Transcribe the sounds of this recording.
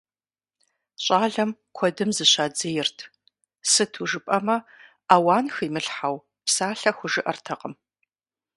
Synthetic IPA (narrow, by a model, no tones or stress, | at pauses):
ɕʼaːɮɐmkʷʰɔdɨmzɨɕʷaːd͡zɐjɪrtʰ | sɨtʰuʒɨpʼɐmɐ | aːwaːnxiːmɨɬħaw | psaːɬɐxʷʊʒɨʔɐrtʰɐqʼəm